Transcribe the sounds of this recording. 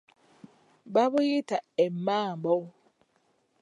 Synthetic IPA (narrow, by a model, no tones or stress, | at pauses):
babʊjɪtaɛmmaːbɔw